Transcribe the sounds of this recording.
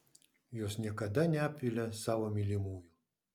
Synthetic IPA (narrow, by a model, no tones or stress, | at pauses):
jɔsʲnʲɛkɐd̪anʲapʲilʲɐsawɐmʲilʲimuju